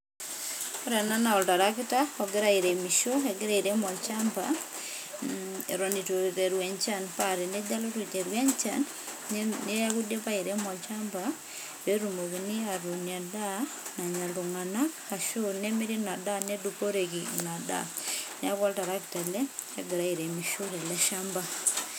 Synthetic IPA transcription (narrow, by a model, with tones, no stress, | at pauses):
ɔ˦ɾɛ˨na˦na˨ɔ˨lta˨ɾa˦kɪtaɔ˨ɡɪ˦ɾa˨i˨ɾe˨mi˨ʃo˦ɛɡɪ˦ɾa˦i˨ɾe˦mɔ˨lt͡ʃamba̰˨ | ɛ̰˨ɾo˨ni˨tote˨ɾwɛ˨nt͡ʃa˦npaɾi˨nɛ˦d͡ʒa˦lɔ˦ti˨te˨ɾwɛ˦ɲt͡ʃa̰˨n | nɛ˦ja˦ku˦dje˦pa˦iɾe˦mɔ˨lt͡ʃa˦mba | we˦ɾu˨mo˨kinɪ˦a˨ɾu˨nia˨da˦ | na˨ɲa˨ltu˨ŋa˨na˦ka˨ʃu˦ɾnɛmi˦ɾi˦na˨da˦nɛ˦dupo˦ɾekina˨da̰˦nɛ˦a˦kɔ˦lta˨ɾa˦ktɛ˨lɛ˦hɛɡɪ˨ɾa˦i˨ɾe˨mi˨ʃo˦ɾɛ˨lɛ˦ʃa˦mba˨